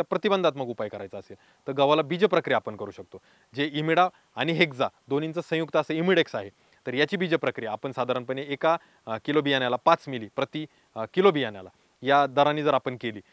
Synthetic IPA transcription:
t̪japɾət̪ibənd̪ʱat̪məɡupajkəɾajt͡səːsel | t̪əɾɡaʋalabid͡ʑəpɾəkɾijaapəɳkəɾuːɕək̚t̪o | d͡ʑeimiɽa | añiɦekd͡zad̪onint͡səsə̃juk̚t̪əsəimiɽeksaɦe | t̪əɾjat͡ɕiːbid͡ʑəpɾəkɾijaːpəɳsad̪ʱaɾanpəɳeeka | kilobijanjalapat͡smiliːpɾət̪i | kilobijanjala | jad̪əɾanːid͡zəɾapəɳkeliː

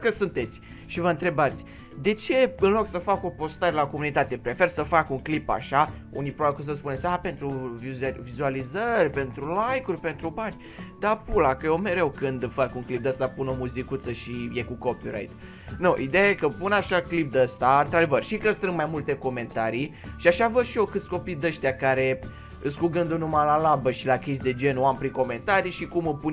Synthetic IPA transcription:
kəsunt̪e̞t̪sʲ | ʃivəɨnt̪ɾe̞bat̪sʲ | d̪e̞t͡ʃe̞ɨnlo̞ksəfako̞po̞st̪aɾe̞lako̞munit̪at̪e̞pɾe̞fe̞rsəfakuŋklipa̰ʃa | unipɾobabikos̬əspune̞t̪sʲape̞nt̪ɾuvivizualizərʲpe̞nt̪ɾulajkurʲpe̞nt̪ɾubanʲ | d̪apulakəjome̞ɾe̞wkɨnd̪fakuŋklip̚d̪əst̪apuno̞muzikut̪səʃije̞kuko̞piɾa̰jt̪ | noʔid̪e̞jaje̞kəpunaʃaklip̚d̪əst̪aɨnt̪ɾad̪e̞vərʃikəst̪ɾɨnmajmult̪e̞ko̞me̞nt̪aɾijʃiaʃavəd̪ʃio̞kɨt̪sʲko̞pijd̪əʃt̪ʲakaɾe̞ | ɨskuɡɨnd̪unumalalabəʃilakʲesʲd̪e̞d͡ʒe̞noampɾiŋko̞me̞nt̪aɾiʃikumɨpunʲ

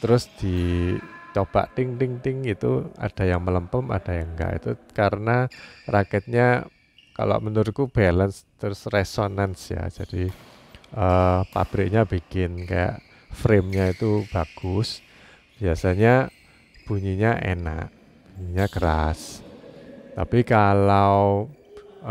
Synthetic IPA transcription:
t̪əɾʊsd̪̥i | t͡ʃob̥a̰ʔt̪ɪŋt̪ɪŋt̪ɪŋit̪ua̰d̥a̤jaŋmələmpəma̰d̥ajaŋɡa̰ʔḭt̪ukaɾənarakɛt̪̚ɲa | ka̰lo̰ʔmənʊɾkub̥alənst̪əɾʊsresonansja̰d͡ʒad̥i | ʔəpa̰b̥ɾɪk̚ɲabikɪnka̰ja̰ʔ | fɾemɲait̪ub̥aɡ̥ʊs | b̥iasaɲa | b̥uɲiɲaʔḛna̰ʔ | b̥uɲiɲakəɾas | t̪apikalaw

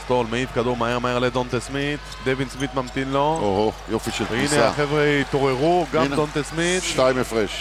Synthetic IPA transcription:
st̪olmeifkad̪uʁmaeʁmaeʁled̪ont̪esmit̪d̪evinsmit̪mamt̪inlooɦojofiʃelvinea̰χevʁet̪oʁeʁuɡamdont̪esmit̪ʃtaimefʁeʃ

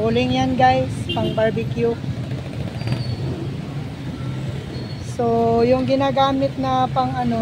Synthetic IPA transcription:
uːlɪŋjanɡajspɐŋbaɹbɪkju | sojʊŋɡɪnaːɡaːmɪt̪̚nɐpɐŋɐno

